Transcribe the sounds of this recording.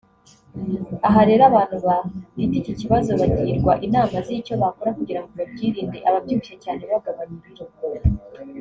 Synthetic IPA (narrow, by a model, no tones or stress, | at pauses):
aɦaɾe̞ːɾaβaːn̥huβaɾiticiciβazo̞βaɟiːɾɡwaʔinaːmazico̞βako̞ɾakuɟiɾaŋɡoβabɟiːɾiːndeʔaβabɟuːβiʃe̞caːneβaɡaβaɲiɾiɾokoa